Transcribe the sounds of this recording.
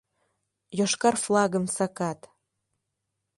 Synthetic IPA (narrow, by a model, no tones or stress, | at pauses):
joʃkɑrflɑɣə̆msɑkɑt̪